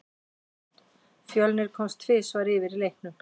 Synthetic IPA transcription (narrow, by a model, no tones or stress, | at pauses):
fjœlnɪɾ̥kʰɔmst̪ʰvɪːsvaːɾɪːvɪɾilejhknʏ